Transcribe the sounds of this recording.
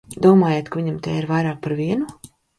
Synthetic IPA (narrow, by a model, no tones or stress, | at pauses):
d̪uɔmaːjeːt̪kaviɲamt̪eːiɾvajɾaːk̚paɾviɛnu